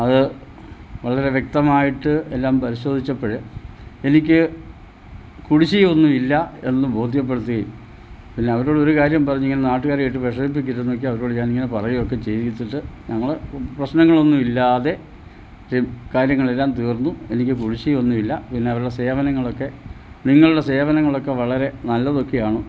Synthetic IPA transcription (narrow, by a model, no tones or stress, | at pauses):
ɐðɨ | ʋɐɭɐɾe̞ʋjek̚t̪ɐmaːjiʈːɨelːaːmpɐɾiɕo̞ːd̪ʱit͡ɕːɐpːoɻee̞nikʲːɨ | kuɽit͡ɕːijonːuilːɐe̞nːɨbʱo̞ːd̪ʱjɐp̬ːeɽut̪ːuɣɐjṵm | pinːe̞ɐʋɐɾoːɽo̞ɾukaːɾjɐmpɐrɐɲːiŋːɐnenaːʈːɨkaːɾaːjiʈːɨpɐʂɐbip̬ːikʲːiɾunːok̬ːeɐʋɐɾo̞ːɽɨɲaːniŋːɐnepɐrɐjiok̬ːe̞t͡ɕe̞jtit̪ːiʈːɨɲɐŋːɐɭprɐɕnɐŋːɐɭo̞nːuilːaːðe̞ | kaːɾjɐŋːɐɭelːaːnt̪iːrnːue̞nikʲːɨkuɽit͡ɕːijonːuilːɐpinːe̞ɐʋɐɾuɽe̞se̞ːʋɐnɐŋːɐɭo̞kːe̞ | niŋːɐɭuɽe̞se̞ːʋɐnɐŋːɐɭo̞kːe̞ʋɐɭɐɾe̞nɐlːɐðo̞kːejaːɳu